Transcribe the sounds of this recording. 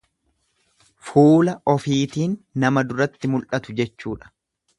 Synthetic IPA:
fuːlɐɔfiːt̪iːnːɐmɐd̪ʊɾɐt̪ːɪmʊlʔɐt̪ʊd͡ʒɛt͡ʃːuːᶑɐ̥

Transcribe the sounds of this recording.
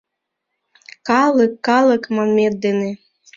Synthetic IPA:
kɑlˠəkːɑlˠɤ̆kmɑmʲet̪̚d̪ene

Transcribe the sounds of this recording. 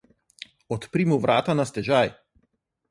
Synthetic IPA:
ɔt̪pɾiːmuʋɾʔaːt̪anast̪ɛʒaj

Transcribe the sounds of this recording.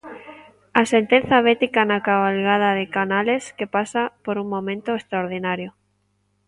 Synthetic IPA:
asent̪en̟θjaβ̞et̪ikanakaβalɣað̞aðekanaleskepasapoɾuŋmõmẽnt̪oest̪ɾaoɾð̞inaɾjo

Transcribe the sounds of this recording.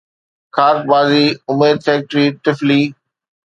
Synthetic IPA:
kʰaːɾt̚baːziːʊmeːd̪̚fɛːk̚ʈɾiːʈɪfliː

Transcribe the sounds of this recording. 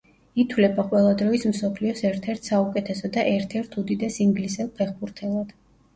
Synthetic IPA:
it̪ʰwlɛbaqʼwɛlˠad̪ɾɔismsɔpʰliɔsɛɾt̪ʰɛɾt̪ʰsaukʼɛt̪ʰɛsɔd̪aʔɛɾt̪ʰɛɾt̪ʰud̪id̪ɛsiŋɡlisɛlˠpʰɛχbuɾt̪ʰɛlˠad̪̥

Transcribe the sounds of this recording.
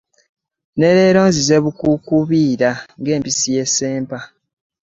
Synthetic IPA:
ne̞ɾe̞ːɾo̞ːnzizeβukukuβiːɾaŋɡe̞ːmpisije̞se̞ːmpa

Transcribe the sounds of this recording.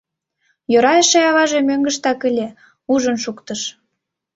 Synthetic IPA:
joɾɑjəʃeɑβɑʒemøŋɡəʃt̪ɑkəlʲe | uʒənʃukt̪əʃ

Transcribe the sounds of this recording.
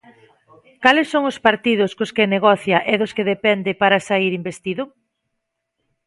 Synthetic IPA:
kalɪsːoŋospaɾt̪ið̞ʊskoskeneɣɔθjɐʔɛðʊskeðepɛnd̪ɪpaɾasaiɾimbest̪iðʊ

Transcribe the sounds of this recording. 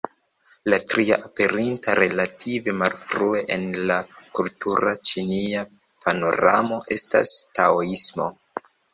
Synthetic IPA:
latɾia̰ʔape̞ɾintaɾe̞latʰive̞malfɾue̞ʔenlakultuɾat͡ʃinia | pʰano̰ɾamo̞ʔe̞sta̰staoismo̞̰

